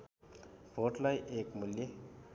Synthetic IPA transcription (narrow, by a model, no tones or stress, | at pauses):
bʰʱoʈlajʔekmulje